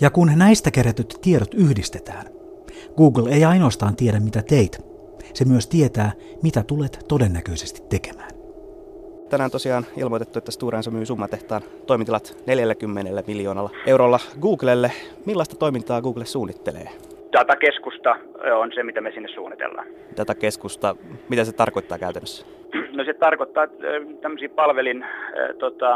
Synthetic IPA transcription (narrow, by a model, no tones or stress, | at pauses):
jɑkunnæist̪ækeɾæt̪øt̪tːieɾot̪yhdist̪e̞t̪æːn | ɡ̥uːɡlejɑjnoːst̪ɑːnt̪iedæmmit̪æt̪eit̪ | semyøst̪iet̪æː | mit̪æt̪uleːt̪t̪o̞denːækøise̞̥st̪i̥t̪ːe̞kemæːn | t̪ænæːnt̪o̞siɑːnḭlmot̪et̪ːuet̪ːæst̪uːɾeːnsomyːsumːɑt̪eht̪ɑːn | t̪o̞imint̪ilɑt̪neljælːækymːenelːæmiljo̞ːnɑlːɑewɾoːlːɑɡuːɡlelːe | milːɑist̪ɑt̪o̞imint̪ɑːɡuːɡlessuːnːit̪ːelḛː | t̪æt̪ækeskust̪ɑonsemit̪æmesinːessṵːnːit̪ḛlːɑ̰ːn | t̪æt̪æke̞skust̪ɑmit̪æset̪ɑrko̞it̪ːɑːkæyt̪ænːøsːæ̥ | noset̪ɑrkot̪ːɑːt̪æmːøsiːpɑlʋelint̪ot̪ɑ